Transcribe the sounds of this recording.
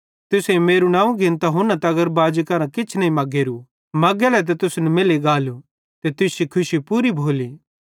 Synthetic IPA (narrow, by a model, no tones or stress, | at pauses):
t̪ʊsẽmeːɾunãːũɡɪ̃nt̪aɦʊnãt̪ɐɡəɾbaːd͡ʒikɐɾãkɪt͡ʃʰnɐĩmɐɡeːɾu | mɐɡɛlɛt̪̬et̪ʊsnɛmɪleɡaːlu | t̪et̪ʊsikʰʊʃipuːɾibʱoːliː